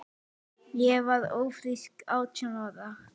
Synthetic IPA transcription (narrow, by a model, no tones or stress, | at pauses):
jɛvaɾðoːwfɾiskawt͡ʃʰanaða